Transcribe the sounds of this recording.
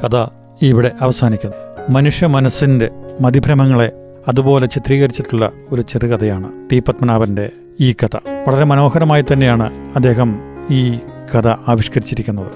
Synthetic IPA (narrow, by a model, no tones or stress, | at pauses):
kɐd̪ɐ | iʋiɽe̞ʔɐʋɐsaːnikʲːunːɐmɐnuʂjɐmɐnɐsːinde̞mɐd̪ibʱɾɐmɐŋːɐɭe̞ | ɐðubo̞ːle̞t͡ɕit̪riːɣɐɾit͡ɕːiʈːuɭːɐ̰ | o̞ɾut͡ɕerikɐd̪ɐjaːɳɨt̪iːpːɐt̪mɐnaːʋɐnde̞ | iːkɐt̪ɐ̰ʋɐɭɐɾe̞mɐno̞ːɦɐɾɐmaːjit̪ːɐnːe̞jaːɳɨɐd̪ːe̞ːɦɐmiːkɐd̪ɐaːʋiʂkɐɾit͡ɕːiɾikʲːunːɐðɨ̰